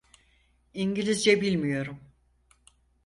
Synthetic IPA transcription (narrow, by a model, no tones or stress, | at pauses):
iɲɟilʲizd͡ʒɛbilʲmijo̞ɾum